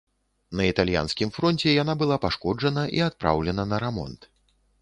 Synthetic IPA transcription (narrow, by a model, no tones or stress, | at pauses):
nɐit̪alʲja̰nskʲimfɾɔnt͡sʲɛjanabɨlˠapaʂkɔd͡ʐɐnɐʔḭat̪̚pɾa̰wlʲɛnɐnɐɾamɔ̰nt̪